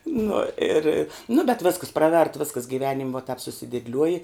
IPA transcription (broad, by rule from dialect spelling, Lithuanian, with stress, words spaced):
ˈnʊ ˈɪr nʊ bʲɛt ˈʋʲeːskɐs ˈprɑːˌʋʲɛrt ˈʋʲɪskɐs ɡʲɪˈʋʲæːnʲɪm ʋɐ tɐp sʊsʲɪdʲeːdʲˈlʲuɔjɪ